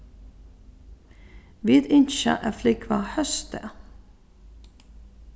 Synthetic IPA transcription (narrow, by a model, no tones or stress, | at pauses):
ʋiːd̪ɪnʃɑ̰ʔæːflɪkʰʋɑhœst̪ə